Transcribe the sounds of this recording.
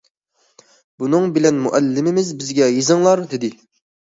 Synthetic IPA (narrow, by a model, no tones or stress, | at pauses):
bunɨŋbɪlɛnmuʔɛlːɪmɪmɪzbɪzɡʲɛjizɨŋlˠɑɾd̪ɪd̪ɪ